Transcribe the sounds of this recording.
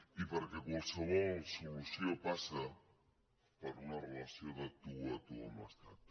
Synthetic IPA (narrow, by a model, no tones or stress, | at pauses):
ipaɾakekosoβosuβuseopasa | paɾunarelasjonat̪uat̪uo̰ma̰st̪at̪